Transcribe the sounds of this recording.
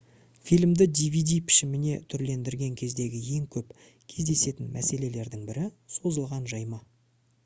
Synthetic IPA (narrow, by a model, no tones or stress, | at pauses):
fijlʲmd̪ɪd̪ivijd̪ijpʰɪ̥ʃɪmɪne̞t̪ʰʏɾle̞nd̪ɪɾɡʲe̞ŋkʲʰe̞zd̪e̞ɡʲɪje̞ŋkʲʰɵp | kʲʰe̞zd̪e̞se̞t̪ɪnmʔæ̰se̞le̞le̞ɾd̪ɪŋbɪɾɪso̞zəlˠʁɑnʒɑjmɑ